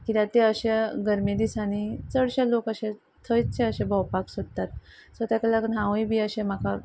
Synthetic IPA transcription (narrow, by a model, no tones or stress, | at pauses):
kit̪at̪eəɕeɡəɾmid̪isanit͡səɽɕalokəɕe | t̪ʰəjt͡st͡sẽəɕebʱəwpaksod̪t̪at̪sət̪jakəlakənɦãwibʱiəɕẽm̤aka